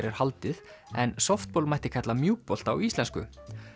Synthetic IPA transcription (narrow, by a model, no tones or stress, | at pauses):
ɾɛɾ̥halt̪ɪð | ɛnsɔft̪̚pɔlmajht̪ɪ̥kʰat̪lamjuːpɔl̥t̪awist̪ɛnskʏ̰